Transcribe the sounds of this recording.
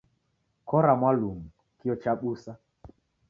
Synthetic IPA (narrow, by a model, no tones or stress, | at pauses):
kɔɾamwalum̩ | kiɔt͡ʃaɓusa